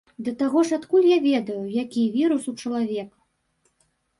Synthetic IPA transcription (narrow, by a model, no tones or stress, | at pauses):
d̪ɐt̪aɣɔʂat̪kulʲjavʲɛd̪ɐjujakʲivʲiɾusut͡ʂɐlˠavʲɛkɐ̥